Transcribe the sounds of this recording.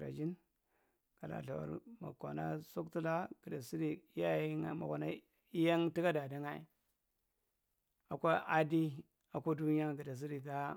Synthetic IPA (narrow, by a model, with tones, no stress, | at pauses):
ɾa̰˨d͡ʒi˦n | ka˨la̰˨ɬa̰˨wa̰˨ɾma̰˨ka̰˨na̰˦so˦kti˦la˦ɡ̥i˨da˨si˦di˨˦a˦˨i˦ŋa˦ma̰˨kʷa̰˨na̰˦ | i˦ja˦ŋti˦ɡa˦da˨da˦ŋa˦ḭ˨ | a˨kʷa˦a˦di˦ | a˨ko˦du˦ni˦a˦ɡi˨da˨s̬i˦di˨ɡa˦